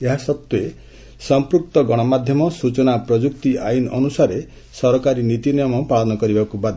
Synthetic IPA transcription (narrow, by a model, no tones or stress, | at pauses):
eɦasɔt̪ːue | sɔmpɾuk̚t̪ɔɡɔɽ̃ɔmad̪ʱjɔmɔsut͡ʃɔnapɾɔd͡ʒukt̪iʔajinʔɔnusaɾe | sɔɾɔkaɾinit̪inijɔmɔpaɭɔnɔkɔɾibakubad̪ʱɔ